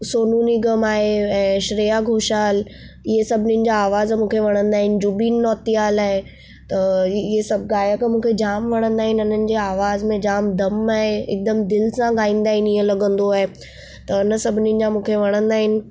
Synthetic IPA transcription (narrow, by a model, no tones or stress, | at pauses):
soːnuːniɡɐmaːɦeɛ̃ːʃɾijaɡʱoːʃaːl | ɪɦesɐbʱɪnĩnɪ̆d͡ʑaaːʋaːzmũːkʰeʋɐɽ̃ə̃nd̪aːɦɪnɪ̆d͡ʑubiːnːɔːt̪ijaːlaːɦe | t̪ɐɦesɐb̚ɡaːjəkmũːkʰed͡ʑaːmʋɐɽ̃ə̃nd̪aːɦɪnɪʊnənɪ̆d͡ʑeaːʋaːzmẽd͡ʑaːmd̪ʱɐmaːɦeɪ̰k̚d̪əmd̪ɪlsãɡaːĩːnd̪aːɦɪnɪɦẽlɐɡə̃nd̪oaːɦe | t̪ɐɐnəsɐbʱɪninɪ̆d͡ʑamũːkʰeʋɐɽ̃ə̃nd̪aːɦɪnɪ̆